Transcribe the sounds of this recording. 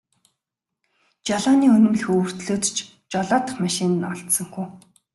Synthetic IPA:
t͡ɕaɮaːniːɵnɘ̆mɮɘ̆xɵr̥t̪ɮoːt̪t͡ɕʰ | t͡ɕɔɮaːt̪ə̆χmaʃɪ̆nɔɮt̪sə̆ŋxuː

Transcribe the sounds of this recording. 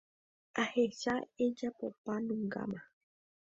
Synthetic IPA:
aheʃaed͡ʒapopanũŋɡa̰mã

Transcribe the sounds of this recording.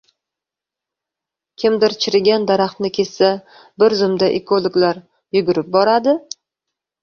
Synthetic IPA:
kʲʰɪmd̪ɪɾt͡ʃʰɪɾɪɡʲand̪aɾaχt̪nɪkʲʰe̞ssa | bɪɾzʊmd̪aʔekʰolˠoɡlaɾ | jʊɡʲʊɾɪp̚bɒɾad̪ɪ

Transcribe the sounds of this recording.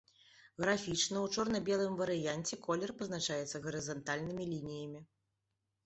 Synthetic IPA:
ɣɾafʲit͡ʂnɐwt͡ʂɔrnɐbʲɛlˠɨmvɐɾɨjanʲt͡sʲɛkʰɔlʲɛrpɐznat͡ʂajɛt̪sːɐɣɐɾɨzant̪alʲnɨmʲilʲinʲijɐmʲi

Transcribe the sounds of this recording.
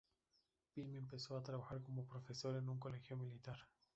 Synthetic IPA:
pilmempe̞so̞at̪ɾaβaxaɾko̞mo̞pɾo̞fe̞so̞ɾe̞nuŋko̞le̞xjo̞milit̪aɾ

